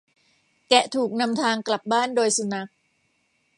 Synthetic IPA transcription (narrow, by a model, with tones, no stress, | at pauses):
kɛ˨˩t̪ʰuː˨˩k̚na˧mt̪ʰaː˧ŋkla˨˩p̚baː˥˩ndoː˧jsu˧na˦˥k̚